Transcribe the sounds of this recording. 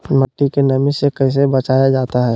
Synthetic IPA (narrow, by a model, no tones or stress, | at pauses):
məʈːikenəmisekəɪs̬ebət͡ʃaːjad͡ʒaːt̪aɦɛː